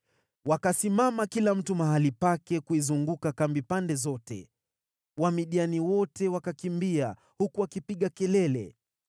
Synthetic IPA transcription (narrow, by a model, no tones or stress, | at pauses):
wakasimamakilam̩tumaɦalipakɛkuizuŋɡukakambipandɛzɔtɛ̰ | wamiɗianiwɔtɛwakakimbia | hukuwakipiɠakɛlɛlɛ̰